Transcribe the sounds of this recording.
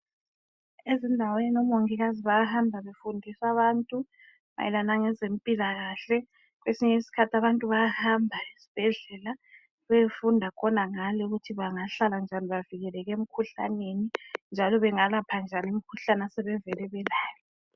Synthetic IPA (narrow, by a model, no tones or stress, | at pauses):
ezindʱaweninɔmoŋiɣaziβajahambʱaβefundʱisaβaːntʼu | ma̰jɛ̰lanaŋɛzempʼilaɣaɬɛ | ɣwesiɲɛisi̥kʰatʰaβantʼuβajahambʱaisi̥b̥ʱɛɮɛla | βefundʱakʰɔnaŋalɛuɣutʰiβaŋaɬaland͡ʒʱaniβaviɣɛlɛɣem̩kʰuɬa̰nenind͡ʒʱalɔβɛŋalapʰand͡ʒʱanim̩kʰuɬanasɛβɛvɛlɛβɛlaːlɔɛ